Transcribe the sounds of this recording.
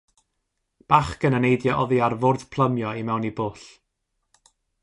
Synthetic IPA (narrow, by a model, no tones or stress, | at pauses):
b̥aχɡənənejdjɔʔɔðiarvoːrð̥pʰl̥ˠəmjɔimɛwniboːɬ